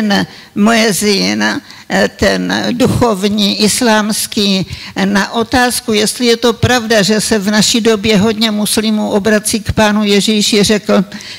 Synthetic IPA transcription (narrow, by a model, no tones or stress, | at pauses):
n | mojɛzɪn | t̪ɛnduxo̞vɲiːʔɪslaːmskiːnaʔo̞t̪aːskujɛst̪lɪjɛt̪o̞pɾavdaʒɛsɛvnaʃido̞bjɛɦo̞dɲɛmuslɪmuʔo̞bɾat͡siːkpaːnujɛʒiːʃɪr̝ɛkl̩